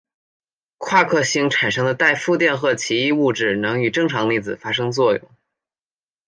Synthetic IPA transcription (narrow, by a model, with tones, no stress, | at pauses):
kʰwa˥˧kʰɤ˥˩ɕi˥ŋʈ͡ʂʰa˨˩nʂɤ˥ŋd̪ə˨˧t̪a˥˧ɪfu˥˧t̪jɛ˥˧nxɤ˥˩t͡ɕʰi˧˥i˥˧u˥˧ʈ͡ʂɻ̩˥˩nɤ˧˥ŋy˨˩ʈ͡ʂɤ˥˩ŋʈ͡ʂʰɑ˧˥ŋli˥˩d͡zɹ̩˨˩fa˥ʂ̬ɤ˥ŋt͡swɔ˥˧jʊ̰˥˩ŋ